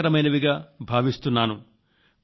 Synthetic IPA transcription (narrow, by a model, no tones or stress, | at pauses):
ɐɾɐmɐjnɐʋiɡaːbʱaːʋist̪unːaːnu